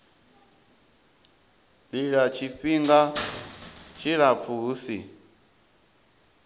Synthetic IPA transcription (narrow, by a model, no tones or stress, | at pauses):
liɺat͡ʃʰiɸiŋɡa | t͡ʃʰiɺap̪fʰuusi